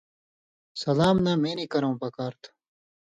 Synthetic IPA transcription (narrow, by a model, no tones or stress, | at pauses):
sɐlaːmnaːmeːnikɐɾɐ̃ːpɐkaːɾt̪ʰ